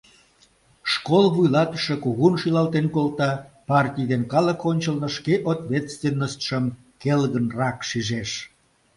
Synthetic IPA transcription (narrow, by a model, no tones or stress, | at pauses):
ʃkolβujlɑt̪ə̥ʃəkuɣunʃilɑlt̪enkolt̪ɑpɑrtʲijd̪enkɑləkonʲt͡ɕəlnəʃkeʔot̪βʲet̪st̪venːəst̪ʃəm | kelɣənrɑkʃiʒeʃ